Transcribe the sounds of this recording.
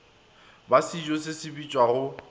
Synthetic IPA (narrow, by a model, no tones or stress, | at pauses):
basid͡ʒosɪsɪbit͡ʃʼwaɣʊ